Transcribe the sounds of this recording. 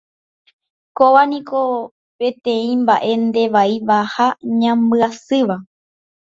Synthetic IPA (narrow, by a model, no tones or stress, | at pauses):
koʋanĩko̞ | pẽ̞t̪ẽ̞ĩmbaʔe̞nd̪e̞ʋaiʋahaɲãmbɨasɨʋa